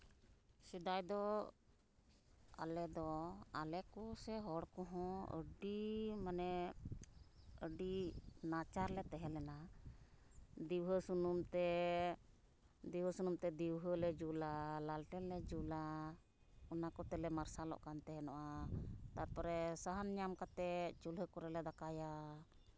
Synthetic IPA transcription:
sid̪ajd̪ɔ | a̰lɛd̪ɔalɛkɔsɛɦɔɽkɔɦɔ̃ə̰ɖimanɛ | əɖinat͡ʃaɾlɛt̪ɛɦɛlɛna | d̪iwɦəsunumt̪ɛ | d̪iwɦəsunumt̪ɛd̪iwɦəlɛd͡ʒulalalʈɛlːɛd͡ʒula | ɔnakɔt̪ɛlɛmaɾsalɔ̰ʔkant̪ɛɦɛnɔʔat̪aɾpɔɾɛsaɦanɲamkat̪ɛt͡ʃulɦəkɔɾɛlɛd̪akaja

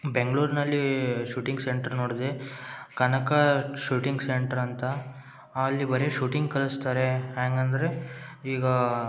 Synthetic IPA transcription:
beŋɡɐɭuːɾnɐlːiʃuːʈiŋɡseɳʈɐɾnoːɽd̪ekɐnɐkɐʃuːʈiŋɡseɳʈɐɾɐnt̪ɐː | lːibɐɾeʃuːʈiŋɡkɐɭust̪aːɾe̞ɦaːŋɡɐnd̪ɐɾe̞iːɡɐ

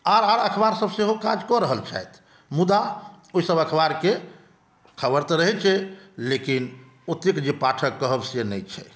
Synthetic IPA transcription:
aɾaɾəkʰbaɾsəbseɦokad͡ʒkɔɾəɦəlt͡ʃʰa̰jt̪ʰ | mud̪a | oisəbəkʰbaɾke | kʰəbəɾt̪ɔɾəɦɛt͡ʃʰɛlekin | ot̪ikd͡ʒepaʈʰəkːəɦəbsenɛjt͡ʃʰɛ̰

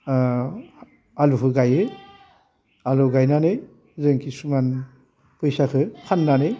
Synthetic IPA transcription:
aluɦɯɡajɯ | aluɡajnanɯj | zɯŋkʰisuman | pʰɯjsakʰɯkʰanːanɯj

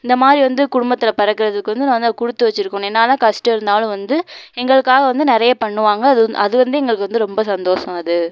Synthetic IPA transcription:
ɪnd̪ɐmaːd̪ɾiʋɐnd̪ɯkʊɽʊmbɐt̪ːɪlɐpɐɾɐkːɯɾɐðɯkːɯʋɐnd̪ɯnãʋɐnd̪kʊɽɯt̪ːɯʋɐt͡ʃːɪɾɯkːʊ̃ɛnːaːlãːkɐsʈɐɪɾɯnd̪aːlɯ̃ʋɐnd̪ɯɛŋɡɐɭɯkːaːɣɐʋɐnd̪ɯnɪɾɐjɐpɐɳːɯʋaːŋɡɐðɐðɯʋɐnd̪ɯɛŋɡɐɭɯkːɯʋɐnd̪ɯɾɔmbɐsɐnd̪oːʂɐmɐðɯ

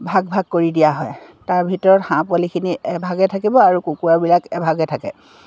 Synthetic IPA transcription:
bʱaɡ̚bʱaɡ̚koɹidijaɦɔ̰j | taɹbʱitɔɹɔthãpwalikʰiniɛbʱaɡɛtʰakibɔaɹukukuabilakɛbʱaɡɛtʰakɛ̰

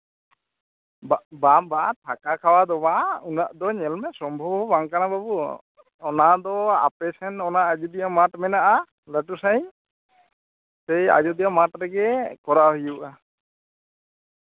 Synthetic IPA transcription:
bbambat̪ʰakakʰawad̪ɔbaunaʔd̪ɔɲɛlmɛsɔmbʱɔbɔbaŋkanababu | ɔnad̪ɔa̰pɛsʰɛnɔnaʔad͡ʒud̪ijamaʈmɛnaʔa | ləʈusaj̃ | sɛja̰d͡ʒud̪ijamaʈɾɛɡɛkɔɾaɦijuʔa

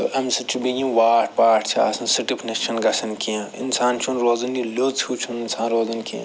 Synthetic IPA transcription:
ɐmsit͡ʃʰubijĩːʋaːʈpaːʈt͡ʃʰa̰ːsɐ̃nsiʈipʰnɐt͡ʃʰɐnɡɐsɐnkiãḭnsaːnt͡ʃʰunɾoːzɐnjilouːt͡ʃʰũninsãːnɾoːzɐnkiã̰

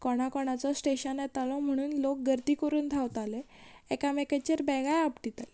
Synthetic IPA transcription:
kɔɽ̃akɔɽ̃at͡sɔsʈeɕənjɛt̪alɔm̤əɽ̃uːnlok̚ɡəɾt̪ikəɾuːnd̪ʱaʋt̪ale | ɛkameket͡ɕəɾbɛɡajapʈit̪ale

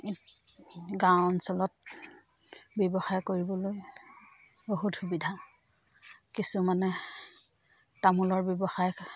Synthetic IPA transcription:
ɡawnsɔlɔt̚ | bjɔbɔxajkoɹibɔloj | boɦutxubidʱa | kisumanɛ | tamulɔɹbjɔbɔxaj

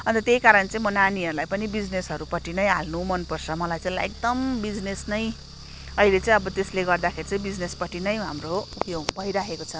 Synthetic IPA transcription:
ʌnt̪ʌt̪ejkaɾʌnt͡sʌ̃ĩmʌnaniʌɾulajpʌnibid͡znesɦʌɾupʌʈinʌjɦalnumʌnpʌrt͡sʰʌmʌlajt͡sʌ̃ĩlaek̚d̪ʌmbid͡znesnʌj | ʌilet͡sʌ̃ĩʌbʌt̪esleɡʌrd̪akʰeɾit͡sʌ̃ĩbid͡znespʌʈinʌjɦa̰mroupjoɡbʱʌijɾaɦekot͡sʰʌ

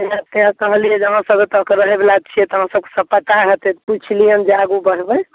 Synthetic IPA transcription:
eãt̪eãkəɦlijed͡ʒəɦãsəbet̪əkeɾəɦebelat͡ʃʰijɛt̪ɔɦəɦãsəb̚ke̥səbpət̪aɦət̪ɛt̪put͡ʃʰlijənd͡ʒaɡubəɽ̤bəj

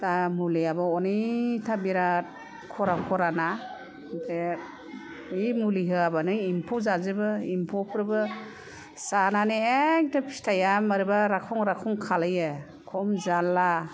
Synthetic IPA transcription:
tamuliabɯɔnitʰabiɾat̚ | kʰɔɾakʰɔɾana | de | imuliɦɯabanɯimpʰɔzazɯbɯimpʰɔpʰɯɾɯbɯ | sananeeŋtɯpʰi̥stʰajamaɾɯbaɾakʰɔŋɾakʰɔŋkʰalajɯ | kʰɔmzalːa

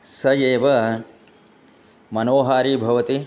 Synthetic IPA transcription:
sɐjeːʋɐ | mɐnoːɦaːɾiːbʱɐʋɐt̪i

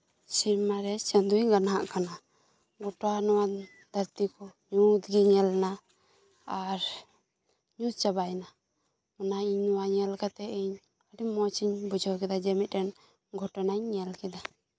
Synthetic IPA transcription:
siɾmaɾɛt͡ʃənd̪uɲɡanɦaʔkana | ɡɔʈanɔwa | d̪̥aɾt̪ikɔɲut̪ɡiɲɛlna | aɾ | ɲut̪̚t͡ʃabajna | manaiɲnɔwaɲɛlkat̪ɛiɲ | aɖimɔt͡ʃiɲbud͡ʒʱɔwkɛd̪ad͡ʒɛmit̪̚ɾɛn | ɡʱɔʈɔnaɲːɛlkɛd̪a

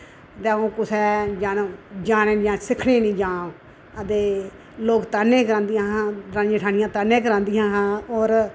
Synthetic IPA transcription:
t̪eõːkʊsɛːd͡ʒaːnd͡ʒaːnẽːnd͡ʒãːsɪkʰɽeːnĩːd͡ʒãː | əd̪eː | loːkt̪aːnːẽːkəɾãːnd̪ijãːɦãːd̪ɾãːnd͡ʒẽːʈʰaːnɪjãːt̪aːnẽːk̬əɾãːnd̪ijãːɦãːoːɾ

